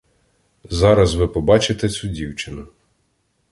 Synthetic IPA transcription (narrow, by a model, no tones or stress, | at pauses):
zɑɾɐzʋɪpɔbɑt͡ʃɪt̪ɛt͡sʲudʲiwt͡ʃɪnʊ